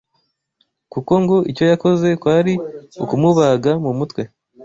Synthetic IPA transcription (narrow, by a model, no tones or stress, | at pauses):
kuko̞ŋɡo̞ʔico̞jako̞ze̞kwaːɾiukumuβaɡamumutwe̞